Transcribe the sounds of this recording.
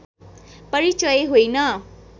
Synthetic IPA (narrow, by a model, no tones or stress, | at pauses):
pʌɾit͡ʃʌjeɦojnʌ